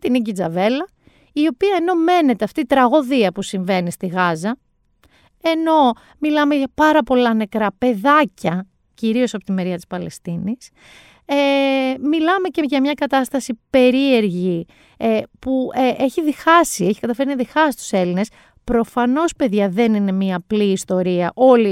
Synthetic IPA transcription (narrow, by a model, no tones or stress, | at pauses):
t̪iniɟid͡zɐ̰ve̞lɐ | io̞piɐeno̞me̞ne̞t̪eɐft̪it̪ɾɐɣo̞ðiɐpusiɱve̞nist̪iɣɐzɐ | e̞no̞ | milɐme̞ʝɐpɐɾɐpo̞lɐne̞kɾɐpe̞ðɐcɐ | ciɾio̞sɐpo̞t̪ime̞ɾiɐt̪i̥spɐlest̪inis | emilɐme̞ce̞ʝɐmɲɐkɐt̪ɐst̪ɐsipe̞ɾie̞ɾʝi | puʔe̞çiðixɐsieçi̥kɐt̪ɐfe̞ɾiɐðixɐsst̪u̥se̞line̞s | pɾo̞fɐno̞spe̞ðʝɐðe̞nine̞miɐːpliːst̪o̞ɾiɐʔo̞li